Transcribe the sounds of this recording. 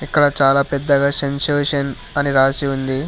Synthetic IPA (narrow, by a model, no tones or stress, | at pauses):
ikːɐɽɐt͡ʃaːlaːpɛd̪ːɐɡaːsenseːʂɐn | ɐniɾaːsiund̪i